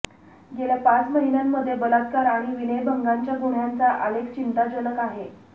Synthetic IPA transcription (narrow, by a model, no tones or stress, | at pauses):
ɡeljapat͡sməɦinjamːəd̪ʱːjebəlat̪kaɾaɽ̃iʋinejbəŋɡaɲt͡ɕjaɡoɽ̤jant͡saʔalekt͡ɕint̪ad͡ʑələkaɦe